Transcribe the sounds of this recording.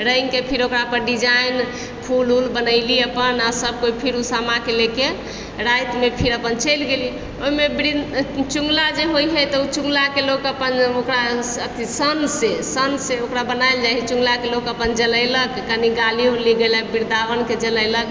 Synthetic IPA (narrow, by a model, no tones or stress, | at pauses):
ɾəjŋkepʰiɾokɾapəɾɖid͡ʒajn | pʰululbənəɪliəpənasəb̚koipʰiɾusamakeleke | ɾajt̪mepʰiɾəpənt͡ʃəjlɡeli | oimebɾid̪t͡ʃuŋɡlad͡ʒeɦojɦəjt̪ɔut͡ʃuŋɡlakelokəpənokɾa | ət̪ʰisənsesənseokɾabənajld͡ʒaɦit͡ʃũŋɡlakelokəpənd͡ʒələjləkːəniɡaliuliɡeləbiɾd̪abənked͡ʒələjlək